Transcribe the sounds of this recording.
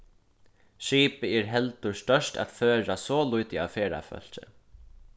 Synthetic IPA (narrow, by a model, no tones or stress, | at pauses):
ʃiːpəɛːɹɦɛlt̪ʊɹst̪œʃʈa̰ːt̪føːɹasɔːlʊjt̪ɪa̰ːfeːɹa̰fœ̰l̥t͡ʃɪ̰